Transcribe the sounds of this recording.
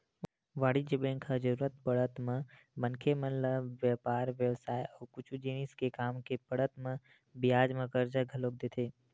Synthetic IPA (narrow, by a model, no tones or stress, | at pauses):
ʋaːɽid͡ʒəbẽːŋkʰad͡ʒəɾuːɾət̪̚pəɽət̪mẽ | mə̃nkʰemənlaʋjəpaːɾʋjəʋsaːjɔːɾkʊt͡ʃʰud͡ʒiniskekaːmkepəɽət̪mẽ | bɪjaːd͡ʒmə̃kəɾd͡ʒaɡʱɐloːk̚d̪eːt̪ʰeː